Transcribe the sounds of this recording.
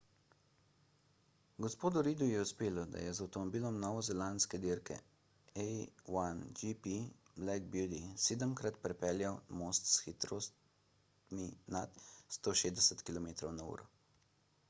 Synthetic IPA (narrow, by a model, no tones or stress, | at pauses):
ɡɔspoːd̪uɾiːd̪ujɛuspeːlɔd̪a̰jɛzawt̪ɔmɔbiːlɔmnɔːʋɔzɛlanskɛd̪iɾkɛ̰ | ɛwand͡ʒipiblɛɡ̚bjud̪iseːd̪əmkɾat̪pɾɛpɛːljawmoːst̪sxit̪ɾoːst̪ | minat̪st̪oːʃeːzd̪ɛsɛt̪kilɔmeːt̪ɾɔwnaṵːɾɔ